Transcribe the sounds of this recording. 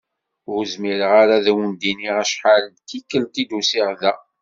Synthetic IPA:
ʊɾzmiɾəʁaɾaðæwənd̪iniʁæʃħalt̪ikːəlt̪id̪usiʁðæ

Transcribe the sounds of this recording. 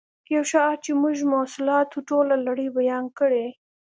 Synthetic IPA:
kjawʃɑt͡ʃemuʒmosɪlɑt̪oʈolalaɽəbajɑnkəɽe

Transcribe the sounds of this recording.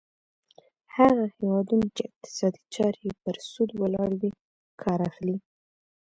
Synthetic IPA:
haɣahewɑd̪unat͡ʃeɪq̚t̪ɪ̥sɑd̪it͡ʃɑɾepəɾsud̪wəlɑɽwi | kʰɑɾaxli

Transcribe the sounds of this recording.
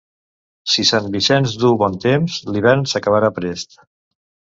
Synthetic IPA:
sisanbisɛnzd̪uβɔnt̪emzliβɛɾnsəkəβaɾapɾest̪

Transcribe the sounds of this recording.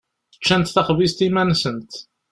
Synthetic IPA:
ə̥t͡ʃːænt̪θæχvist̪imænsənt̪

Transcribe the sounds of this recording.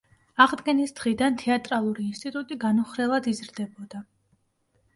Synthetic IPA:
aʁd̪ɡɛnisd̪̥ʁid̪ant̪ʰɛat̪ʼɾalˠuɾiːnst̪ʼit̪ʼut̪ʼiɡanuχɾɛlˠad̪izɾd̪ɛbɔd̪a

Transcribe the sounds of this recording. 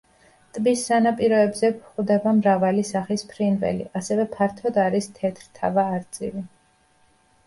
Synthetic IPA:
t̪ʼbisːanapʼiɾɔɛbzɛpʰχwd̪ɛbamɾavalisaχispʰɾinvɛ̰lḭʔasɛvɛpʰaɾt̪ʰɔd̪aɾist̪ʰɛt̪ʰɾt̪ʰa̰vaːɾt̪sʼḭvi

